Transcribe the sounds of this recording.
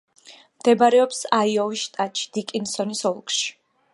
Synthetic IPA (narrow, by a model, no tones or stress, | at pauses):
md̪ɛbaɾɛɔpsaiɔviʃt̪ʼat͡ʃʰi̥d̪̥ikʼinsɔnisɔlˠkʼʃi̥